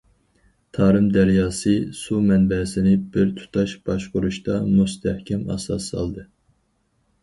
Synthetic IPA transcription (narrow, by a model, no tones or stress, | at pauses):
t̪ʰɑːɾɨmd̪æɾjɑːsɨsumɛnbɛsɪnɪbɪɾt̪ʰu̥t̪ʰɑʃbɑʃqoɾuʃt̪ɑmust̪ʰɛhkʲʰɛmɑ̰sɑ̰sɑ̰lˠd̪ɨ